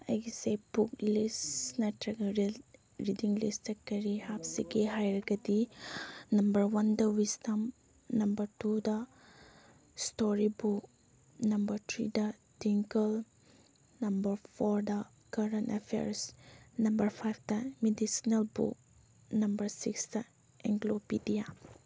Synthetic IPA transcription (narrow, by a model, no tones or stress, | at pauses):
ɐjɡisebuklisnɐtɾɐɡɐɾ | ɾidiŋlḭstɐkːɐɾihapsiɡeɦajɾɐɡɐt̪i | nɐmbɐɾwɐnd̪ɐwistɐm | nɐmbɐɾtudɐ | stoɾibuk | nɐmbɐɾtʰɾḭdɐ | tiŋkɐl | nɐmbɐɾpʰoɾdɐ | kɐɾɐntepʰḛɾsnɐmbɐɾpʰajp̚ʰdɐmedisinɐlbṵk̚ | nɐmbɐɾsiksdɐ | ḛŋɡlopidija